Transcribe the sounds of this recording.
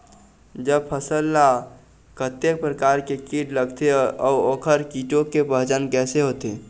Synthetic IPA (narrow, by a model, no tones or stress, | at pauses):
d͡ʒəb̚pʰəsəlːa | kət̪jek̚pɾəkaːɾkekiʈləɡt̪eɔːoːkʰəɾkiʈõkepəɦd͡ʒənkɛːseɦoːt̪e